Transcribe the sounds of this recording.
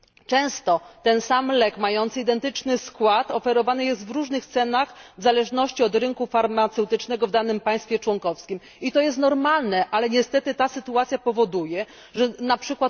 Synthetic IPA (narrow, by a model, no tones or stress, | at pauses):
t͡ʂɛ̃w̃st̪ɔt̪ɛnsamlɛkmajɔnt̪sɨid̪ɛnt̪ɘt͡ʂnɘskwat̪ɔfɛɾɔvanɘjɛst̪vɾuʐnɘxt̪sɛnaxvzalɛʐnɔɕt͡ɕiɔd̪ɾɘŋkufaɾmat̪sɛwt̪ɘt͡ʂnɛɡɔvd̪anɘmpaj̃st̪fʲjɛt͡ʂwɔŋkɔfskʲim | it̪ɔjɛst̪nɔɾmalnɛʔalɛɲɛst̪ɛt̪ɘt̪asɘt̪uat̪sʲjapɔvɔd̪ujɛ | ʐɛnapʂɘkwat̪